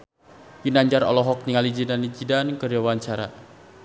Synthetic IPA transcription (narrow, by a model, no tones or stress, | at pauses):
pinaɲd͡ʒarɔ̰lɔɦɔk̚niŋalid͡ʒidanid͡ʒidankərjawaɲt͡ʃaɾa̰